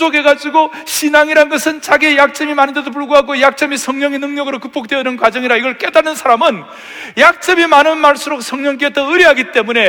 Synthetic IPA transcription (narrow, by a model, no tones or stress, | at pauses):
oɡe̞ɡad͡ʑuɡo | ɕʰinaŋiɾanɡʌsʰɯnt͡ɕaɡiejak̚t͡ɕ͈ʌmimanɯndedop̬uɭɡoɦaɡojak̚t͡ɕ͈ʌmisʰʌŋɲʌŋenɯŋɲʌɡɯɾokɯp̚p͈ok̚t͈weʌnɯnkwad͡ʑʌŋiɾaiɡʌɭk͈e̞daɭnɯnsʰaɾamɯn | jak̚t͡ɕ͈ʌmimanɯnmaɭs͈uɾok̚s͈ʰʌŋɲʌŋk̬͈etʰʌɯɾiɦaɡit͈e̞mune̞